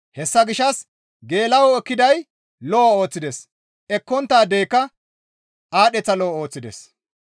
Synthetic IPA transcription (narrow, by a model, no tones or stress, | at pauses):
hɛsːɐɡɪʃːɐs | ɡe̞ːlɐwɔɛkːɪd̪ɐj | lɔo̞ːt͡sːɪd̪ɛs | ʔɛkːɔnt̪ːaːd̪eːkːɐ | ʔaːɗɛt͡sːɐlɔo̞ːt͡sːɪd̪ɛ̰s